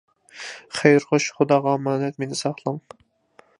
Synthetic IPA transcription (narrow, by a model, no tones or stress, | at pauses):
χejɾʁoʃχʊd̪ɑːʁɑmɑːnɛt̪menɪsɑχlˠɑm